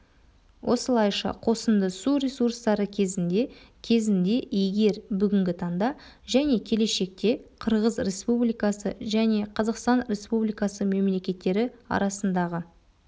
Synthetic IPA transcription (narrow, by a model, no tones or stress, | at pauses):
wʔo̞səlˠɑjʃɑ̰qʰo̞sənd̪əsuɾʲe̞surst̪ɑɾəkʲʰe̞zɪnd̪e̞kʲʰe̞zɪnd̪e̞jeɡʲe̞ɾbʏɡʲɪŋɡʲɪt̪ʰɑɴd̪ɑʒæne̞kʲʰe̞le̞ʃe̞k̚t̪e̞qʰəɾʁəzɾʲe̞spublijkɑsəʒæne̞qʰɑzɑqst̪ɑnɾʲe̞spublijkɑsəme̞mle̞kʲe̞t̪ːe̞ɾɪɑ̰ɾɑsənd̪ɑʁə